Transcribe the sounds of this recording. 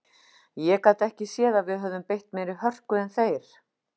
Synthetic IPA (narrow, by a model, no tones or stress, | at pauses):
jɛkawt̪ɛhcɪsjɛːðavɪðɦœvðʏmpejht̪mɛːɾɪhœr̥kʏɛnθeːjɾ̥